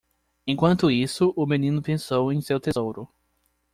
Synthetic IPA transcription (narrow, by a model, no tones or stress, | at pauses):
ẽj̃kwɐ̃nt̪ʊisʊʔʊmẽnĩnʊpẽsowẽj̃sewt̪ezowɾʊ